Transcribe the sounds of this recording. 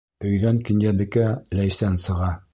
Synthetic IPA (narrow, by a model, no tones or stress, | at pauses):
ɵ̆jðæŋkɘ̆njæbɘ̆kælæjsænsɤ̆ʁɑ